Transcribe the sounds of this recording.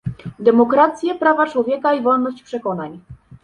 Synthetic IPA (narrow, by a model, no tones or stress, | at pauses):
d̪ɛmɔkɾat̪sʲjɛpɾavat͡ʂwɔvʲjɛkaivɔlnɔɕt͡ɕpʂɛkɔnaɲ